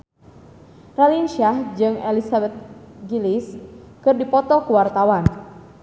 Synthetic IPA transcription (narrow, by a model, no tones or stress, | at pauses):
ralinʃahd͡ʒɨŋɛlisabɛt̪̚ɡiliskɨrdipɔt̪ɔkuwart̪awan